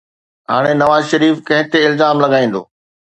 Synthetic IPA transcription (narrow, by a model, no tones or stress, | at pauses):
ɦaːɽ̃enɐʋaːzʃɐɾiːfkɐ̃ɦɪ̃t̪eɪlzaːmlɐɡaːĩːnd̪o̰ː